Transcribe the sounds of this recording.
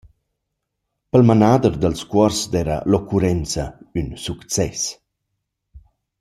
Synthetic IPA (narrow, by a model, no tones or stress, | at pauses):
pəlmanad̪ərd̪əlskwɔrsd̪ɛɾə̰lokuɾɛnt͡sɐynsukt͡sɛs